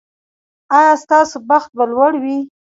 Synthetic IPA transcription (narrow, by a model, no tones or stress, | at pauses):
ɑjɑst̪ɑsobaxt̪̚balwaɽwi